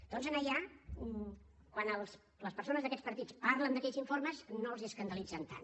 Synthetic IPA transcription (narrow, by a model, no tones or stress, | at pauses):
d̪ɔnzənəʎa | kwanəlˠs | ləspəɾsonəzðəkɛt͡spəɾt̪it͡spaɾlənd̪əkɛʎziɱfoɾməznoəlˠziəskənd̪əlid͡zənt̪a̰n